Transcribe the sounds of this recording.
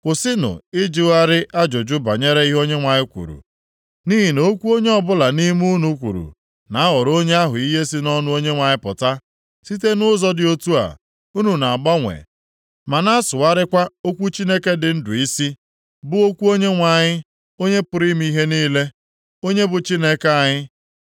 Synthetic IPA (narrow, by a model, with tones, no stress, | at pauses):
kʷʊ˨sɪ˦nʊ̰˨ɪ˦d͡ʒɪ˨wa˦ɾɪ˦ʔa˦d͡ʒo˨d͡ʒʊ˦ba̰˨ɲe˦ɾe˦i˦ɦo˦ɲe˦ŋʷa˨ɲɪ˦kʷṵ˨ɾṵ˨ | ni˦ɦi˨no˦kʷu˦o˦ɲe˦ɔ˦bʊ˦la˨ni˦mu˦nu˦kʷṵ˨ɾṵ˨ | na˨a˦ɦɔ˨ɾo˦ɲe˦a˦ɦʊ˨i˦ɦe˦si˦nɔ˦nʊ˦o˦ɲe˦ŋʷa˨ɲɪ˦pʊ̰˨ta˦ | si˦t̬e˦nʊ˦zɔ˦dɪ˨o˦tu˦a̰˨ | u˦nu˨na˨ɡ͡ba˦ŋʷḛ˨ | ma˨na˦a˦sʊ˨wa˦ɾɪ˦kʷa˦o˦kʷu˦t͡ʃi˦ne˦ke˦dɪ˨n̩˦dʊ˨i˦si˦ | bʊ˦o˦kʷu˦o˦ɲe˦ŋʷa˨ɲɪ˦ | o˦ɲe˦pʊ˨ɾi˦m˦i˦ɦe˦niː˦le˦ | o˦ɲe˦bʊ˨t͡ʃi˦ne˦ke˨a˨ɲɪ˦